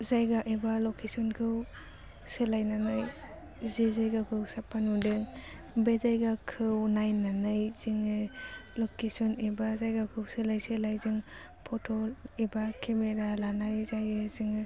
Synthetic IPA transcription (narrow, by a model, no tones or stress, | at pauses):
zajɡaʔibalɔkʰesɔnkʰɯw | sɯlajnanaj | zizajɡakʰɯwsapʰanudɯŋ | bezajɡakʰɯwnajnanajz̥iŋɯlɔkesɔnibazajɡakʰɯwsɯlajsɯlajzɯŋ | pʰɔtʰɔlibakʰemeɾalanajzajɯziŋɯ